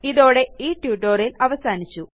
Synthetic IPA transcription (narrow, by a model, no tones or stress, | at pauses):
iðo̞ːɽe̞iːʈjuːʈːoːrilɐʋɐsaːnit͡ɕːu